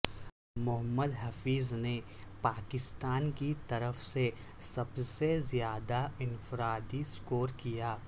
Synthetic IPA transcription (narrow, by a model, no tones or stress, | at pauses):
mʊɦəmːəd̪ɦɐfiːzne | paːkɪst̪aːnkit̪ɐɾəfse | sɐbsezjaːd̪aɪnfɪɾaːd̪iskoːɾkijaː